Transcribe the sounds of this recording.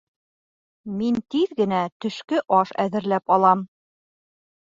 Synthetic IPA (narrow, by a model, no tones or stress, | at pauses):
mint̪iðɡɘ̆næt̪ɵ̆ʃkɘʔɑʃæ̰ðɘ̆ɾlæpɒlˠɑm